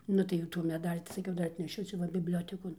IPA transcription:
ˈnʊ tɐɪ jɛʊ tuː mʲɛˈdɑːlʲiː tɐɪ sɐˈkʲɛʊ ˈdɐr ɐtʲnʲɛˈʃʲʊ ˈt͡ʃʲɛ ʋɐ bʲɪbʲˈlʲoːtʲɛkoːn

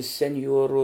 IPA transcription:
sʲɛnʲˈjuɔruː

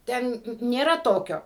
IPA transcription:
ˈtʲɛn nʲeːˈrɐ ˈtoːkʲoː

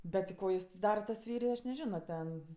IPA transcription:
bʲɛt tʲɪ ˈkoː ˈjɪs tʲɛn ˈdɑːrɐ tɐs ˈfʲɛɪrʲɪ ɐʃ nʲɛˈʒʲɪnoː ˈtʲɛn

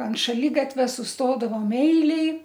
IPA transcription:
ɐnt ʃɐˈlʲɪɡɐtʲʋʲɛ sʊsˈtoːdɐʋoːm ˈɛɪlʲeːj

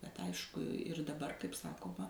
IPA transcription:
bʲɛt ˈɐɪʃkʊ ɪr dɐˈbɐr kɐɪp ˈsɑːkoːmɐ

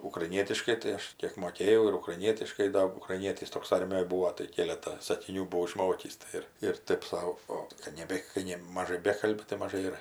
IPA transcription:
ʊkrɐɪˈnʲiɛtʲɪʃkɐɪ tɐɪ ˈɐʃ ˈkʲeːk moːˈkʲeːjɛʊ ɪr ʊkrɐɪˈnʲiɛtʲɪʃkɐɪ ˈdɐ ʊkrɐɪˈnʲiɛtʲɪs ˈtoːks ˈɐrʲmʲɪjoːj ˈbuːoː tɐɪ ˈkʲeːlʲɛtɑː sɐkʲɪˈnʲuː bʊˈʋɐʊ ɪˈʃmoːkʲiːs ˈtɐɪ ɪr ɪr ˈtɜp ˈsɐʊ ˈoːt kɐt ˈnʲæːbʲɛ kɐɪ ˈnʲɛ mɐˈʒɐɪ ˈbʲæːkɐlʲbʲɪ tɐɪ mɐˈʒɐɪ ɪr

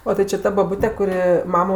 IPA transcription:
oː tʲɪ t͡ʃʲɪ ˈtɐ bɐˈbʊtʲɛ kʊˈrʲɪ ˈmɑːmoː

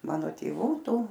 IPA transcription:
ˈmɑːnoː tʲeːˈʋuː ˈtuː

